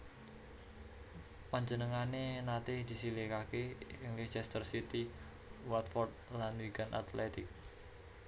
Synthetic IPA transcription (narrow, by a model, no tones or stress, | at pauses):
paɲd͡ʒənəŋanenat̪ɪhd̪i̤silekakeiŋlit͡ʃɛst̪ərsit̪i | wat̪fɔrd̪̚lanwiɡanʔa̰t̪lɛt̪ɪk̚